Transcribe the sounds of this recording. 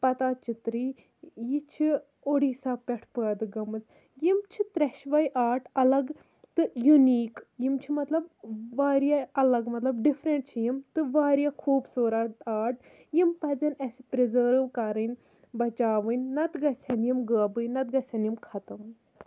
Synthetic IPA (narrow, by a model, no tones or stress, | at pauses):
pɐt̪aːt͡ʃit̪ɾiː | jit͡ʃʰi | oɽiːsaːpʲɛʈʰpəːd̪ɨɡɐmɨt͡s | jimt͡ʃʰit̪ɾɛʃʋɐjʔaːʈɐlɐɡ | t̪ɨjuniːkjimt͡ʃʰimɐt̪lɐb̚ʋaːɾijaɐlɐɡmɐt̪lɐbɖifʰɾeɳʈ̚t͡ʃʰijimt̪ɨʋaːɾjakʰuːbsoːɾaʈaːʈ | jimpɐd͡zɐnɛsipɾizəːɾʋkɐɾɨnʲ | bɐt͡ʃaːʋɨnʲːɐt̪ɡɐsʰʲɐnjimɡəːbɨnɐt̪̚ɡɐsʰʲɐnjimkʰɐt̪ɐm